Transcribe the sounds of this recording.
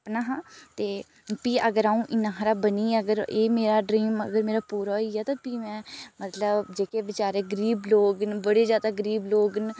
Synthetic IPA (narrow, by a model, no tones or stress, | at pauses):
pnaːɦãːt̪eː | piːʔəɡəɾaːũːʔɪnãːɦɾaːbəniːəɡəɾeːmeːɾaːɖɾiːmə̰ɡəɾmeːɾaːpuːɾaːoiːaːt̪ãːpiːmɛ̃ːmət̪ləbd͡ʒeːkeːʋɪt͡ʃaːɾeːɡəɾiːbloːɡnbəɽeːzjaːd̪aːɡəɾiːbloːɡn